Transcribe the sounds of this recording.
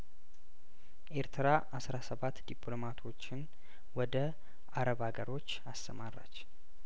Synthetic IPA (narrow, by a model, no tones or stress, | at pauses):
ʔe̞ɾt̪ʰɨɾaʔasɾasəβat̪ːd̪iplomat̪ʰo̞t͡ʃːɪn | wɔd̪ə | aɾəβaɡəɾo̞t͡ʃːast̪ʰəmarːa̰t͡ʃː